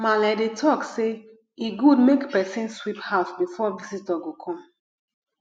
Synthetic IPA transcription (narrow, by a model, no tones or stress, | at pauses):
malɛdetʰɔkse | iɡudmekpɛsĩnswiphafbifɔvisitaɡokʰɔ̃m